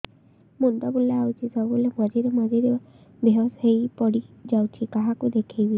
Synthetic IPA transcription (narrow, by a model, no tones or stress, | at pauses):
mund̪ɔbuleawt͡ʃʰisɔbɔbulemɔd͡ʒiɾemɔd͡ʒiɾe | beɔsɦejpɔɽid͡ʒawt͡ʃʰikaɦakud̪ekʰejbi